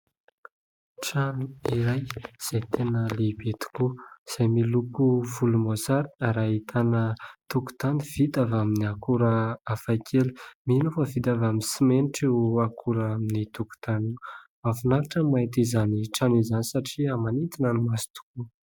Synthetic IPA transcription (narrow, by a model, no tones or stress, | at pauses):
ʈ͡ʂanuiɾajz̥ajt̪ʰenəlebet̪u̥kuz̥ajmilupuvulumozaɾiaɾait̪ʰanət̪uku̥t̪aniv̥it̪avaminiakuɾəafajkʰelu̥minofəvit̪avaminsimeniʈ͡ʂiakʰuɾaminit̪uku̥t̪animafunaɾaʈ͡ʂəmat̪izaniʈ͡ʂanizanisaʈ͡ʂiamanit̪inənimasi̥t̪u̥ku